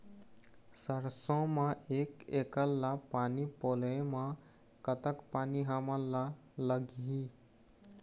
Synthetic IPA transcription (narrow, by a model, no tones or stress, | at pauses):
səɾsɔ̃mãekekəlːapaːnipolemã | kət̪əkpaːniɦaməla | ləɡɦi